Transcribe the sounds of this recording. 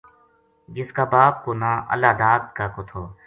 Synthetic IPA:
d͡ʒɪskaːbaːp̚koːnaːʔə̰lːaːd̪aːd̪̚kaːkot̪ʰoː

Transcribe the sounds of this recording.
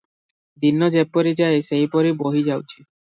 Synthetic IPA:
d̪inːod͡ʑepːoɾid͡ʑaesejpɔɾiboɦid͡ʑawt͡ɕʰi

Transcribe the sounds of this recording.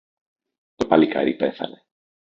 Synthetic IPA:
t̪opalika̰ɾipeθa̰ne

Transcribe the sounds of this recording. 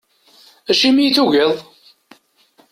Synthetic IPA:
æʃimijθuʝəðˤ

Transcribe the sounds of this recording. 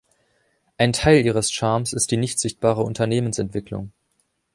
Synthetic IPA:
ʔaɪntʰaɪlʔiːʁ̞əsʃaɐmsɪst̚d̥iːnɪçtz̥ɪçt̚b̥aːʁ̞əʊntʰɐneːmənsɛntv̥ɪklʊ̰ŋ

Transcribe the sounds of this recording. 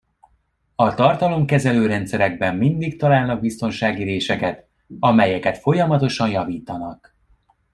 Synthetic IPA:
ɒt̪ɒrt̪ɒlo̞mkɛzɛløːɾɛnt̪sɛɾɛɡ̚bɛmːind̪ikt̪ɒlaːlnɒɡ̚bist̪o̞nʃaːɡiɾeːʃɛkɛt̪ | ɒmɛjɛkɛt̪fo̞jɒmɒt̪o̞ʃɒnjɒviːt̪ɒnɒk

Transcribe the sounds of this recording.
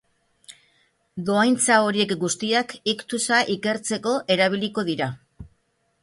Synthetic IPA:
d̪o̞ajnt͡sao̞ɾie̞kɡust̪iakikt̪usaʔike̞ɾt͡se̞ko̞ʔe̞ɾaβ̞iliko̞ðiɾa

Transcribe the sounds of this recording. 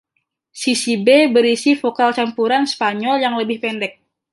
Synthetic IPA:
sisibebəɾisifokalt͡ʃampuɾanspaɲɔljaŋləbɪhpɛndɛk̚

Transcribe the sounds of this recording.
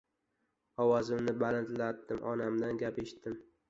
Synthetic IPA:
ɒwɒzɪmnɪbalant̪lad̪ːɪmʔɒnamd̪anɡʲapeʃt̪ɪm

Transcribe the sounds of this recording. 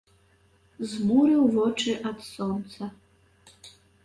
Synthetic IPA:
zmuɾɨwvɔt͡ʂɨʔɐd̪sɔnt̪sɐ

